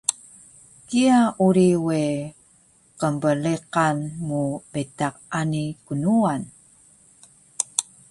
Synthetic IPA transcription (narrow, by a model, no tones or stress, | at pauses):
kiauɾiwe | qəmbəliqanmubetaq̚anikunuan